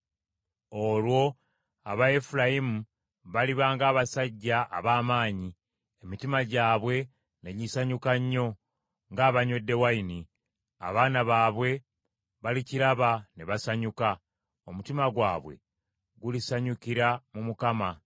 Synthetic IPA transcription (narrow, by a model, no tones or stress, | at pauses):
o̞lwo̞ | aβaefulajimu | βaliβaːŋɡaːβasaɟːaʔːβaːmaːɲi | e̞mitimaɟaːβwe̞ | neɟisaɲukaɲːo̞ | ŋɡaːβaɲwe̞dːe̞waini | a̰βaːnaβaːβwe̞ | βaliciɾaβaneβasaɲuka | omutimaɡwaːβwe̞̰ | ɡulisaɲukiɾamumukama